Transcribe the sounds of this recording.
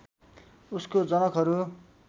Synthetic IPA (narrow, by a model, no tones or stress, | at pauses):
uskod͡zʌnʌkɦʌɾu